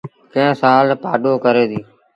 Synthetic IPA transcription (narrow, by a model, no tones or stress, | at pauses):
kə̃ɦsãːlpaːɗoːkəɾeːd̪iː